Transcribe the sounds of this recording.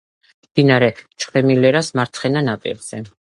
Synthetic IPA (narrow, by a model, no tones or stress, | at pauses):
md̪̥inaɾɛt͡ʃʰχɛmilɛɾasmaɾt̪sʰχɛnanapʼḭɾz̥ɛ